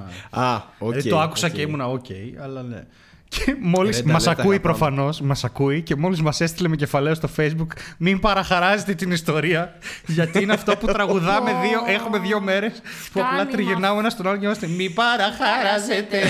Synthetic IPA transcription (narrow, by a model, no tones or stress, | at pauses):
ɐoeit̪oɐku̥sɐceimunɐocʰe̞̰jɐlɐnḛ | cʰemo̞lissmɐsɐkuipɾo̞fɐno̞smɐsɐkuice̞mo̞lizmɐse̞st̪ilemece̞fɐleost̪o̞fe̞jzbukmimpɐɾɐxɐɾɐze̞t̪e̞t̪inist̪o̞ɾiɐ | ʝɐt̪iineɐft̪oput̪ɾɐɣuðɐmeðio̞ʔe̞xume̞ðjʝo̞me̞ɾe̞s | puɐplɐt̪ɾiʝenɐuenɐst̪o̞nɐloceimɐst̪emibɐɾɐxɐɾɐzet̪e